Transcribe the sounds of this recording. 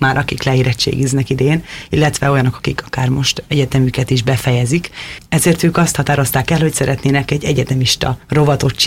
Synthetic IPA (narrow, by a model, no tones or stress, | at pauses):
maːɾɒkiklɛeːɾɛt͡ʃːḛːɡiznɛkid̪ɛjeːnilːɛt̪ʋɛo̞jɒno̞kɒ̥kikɒkaːrmo̞ʃt̪ɛɟɛt̪ɛmykɛt̪iʒbɛfɛjɛzikɛzeːrt̪øːkɒst̪hɒt̪aːɾo̞st̪aːkɛlho̞csɛɾʔɛt̪neːnɛkɛɟːɛɟɛt̪ɛmiʃt̪ɒ̰ro̞vɒt̪o̞t͡ʃː